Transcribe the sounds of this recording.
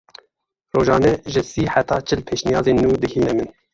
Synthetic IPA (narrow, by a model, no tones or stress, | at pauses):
roːʒɑːnɛʒɨsiːħat̪ʰɑːt͡ʃʰɨlpʰeːʃnijɑːzeːnːuːd̪ɨɡhiːnɛmɨn